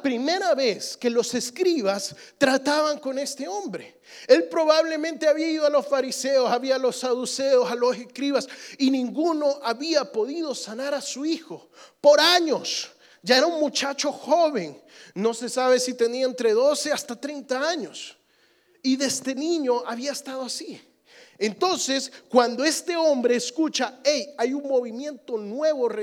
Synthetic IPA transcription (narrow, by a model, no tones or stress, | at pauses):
pɾime̞ɾaβe̞ske̞lo̞se̞skɾiβast̪ɾat̪aβaŋko̞ne̞st̪e̞õ̞mbɾe̞ | e̞lpɾo̞βaβle̞mẽ̞nt̪e̞aβiaiðoalo̞sfaɾise̞o̞saβialo̞saðuse̞osaloseskɾiβasinĩŋɡuno̞ʔaβiapo̞ðiðo̞sanaɾasuixo̞ | po̞ɾaɲos | d͡ʒae̞ɾauŋmut͡ʃat͡ʃo̞xo̞βe̞nːo̞se̞saβe̞sit̪e̞niaent̪ɾe̞ðo̞se̞ast̪at̪ɾejnt̪aaɲo̞s | iðest̪e̞nĩɲo̞ʔaβiaest̪aðoasi | ent̪o̞nse̞skwand̪o̞e̞st̪e̞o̞mbɾe̞ːskut͡ʃaejajuŋmo̞βimje̞nt̪o̞nwe̞βore